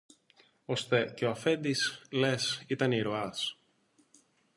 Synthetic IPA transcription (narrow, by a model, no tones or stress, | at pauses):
o̞st̪e̞ceoɐfe̞nd̪isle̞sit̪ɐniɾo̞ɐs